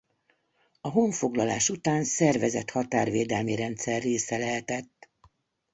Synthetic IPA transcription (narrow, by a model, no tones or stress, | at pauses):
ɒɦo̞ɱfo̞ɡlɒla̰ːʃut̪aːnsɛrvɛzɛt̪hɒt̪aːrveːd̪ɛlmiɾɛnt̪sɛrːeːsɛlɛɦɛt̪ɛt̪ː